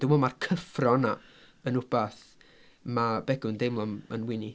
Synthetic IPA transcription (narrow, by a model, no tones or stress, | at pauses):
d̥ɪmɔmarkʰəfrɔna | ənʊb̥aθ | mabɛɡʊndejmlˠɔmə̰nwɪni